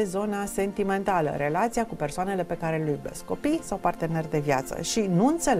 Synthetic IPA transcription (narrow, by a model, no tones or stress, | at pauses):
ezo̞nase̞nt̪ime̞nt̪alə̰ɾe̞lat̪siakupe̞rsoane̞le̞pe̞kaɾe̞lujbe̞skkːo̞pijsawpart̪e̞ne̞rd̪e̞vjat̪sə̰ʃinuɨnt̪se̞l